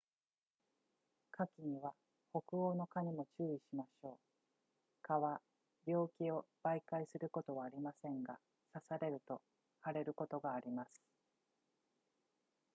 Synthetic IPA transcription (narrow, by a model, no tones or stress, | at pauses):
kʰakʲiɲ̟iβa | ho̞kɯ̟o̞ːno̞kaɲ̟imo̞t͡ɕɨːiɕimaɕo̞ː | kaβa | bʲo̞ːkʲio̞b̥aikaisɨɾɯ̟ko̞t̪o̞βaːɾʲimasẽ̞ŋɡa̰ | sasaɾe̞ɾɯ̟t̪o̞ | haɾe̞ɾɯ̟ko̞t̪o̞ɡaːɾʲimasɨ̥